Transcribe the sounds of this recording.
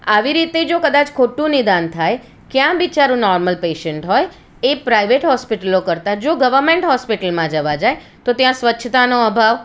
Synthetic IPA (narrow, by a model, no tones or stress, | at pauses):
aʋiɾit̪ed͡ʒokəd̪at͡ʃkʰoʈũnid̪ant̪ʰaj | kjãbit͡ʃaɾũnɔɾməlpeʃəɳʈɦɔj | epɾaiʋeʈɦɔspiʈəlokəɾt̪ad͡ʒoɡəʋəɾmeɳʈɦɔspiʈəlmãd͡ʒəʋad͡ʒae | t̪ot̪jãsʋətːʃʰət̪anoəbʱaʋ